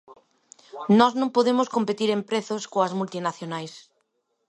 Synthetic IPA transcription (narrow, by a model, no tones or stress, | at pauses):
nɔznõŋpoðemʊskompet̪iɾempɾeθoskoɐzmult̪inaθjonajs